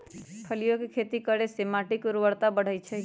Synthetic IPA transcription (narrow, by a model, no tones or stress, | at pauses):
pʰəlijokekʰet̪ikəɾesemaʈikuɾʋəɽt̪abəɽ̤əjt͡ʃʰɛ